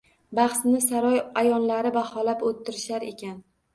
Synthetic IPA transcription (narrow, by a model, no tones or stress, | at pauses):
bɑχsnɪsaɾɒjajɒnlaɾɪbahɒlapot̪ʰːɪɾɪʃaɾe̞̰kʲʰan